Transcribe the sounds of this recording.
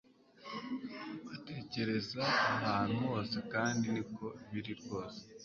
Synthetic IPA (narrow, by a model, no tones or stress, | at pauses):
βate̞ːce̞ɾe̞zaːɦaːn̥huwo̞ːse̞kaːndinikʰo̞iβiɾiɾɡo̞ːse̥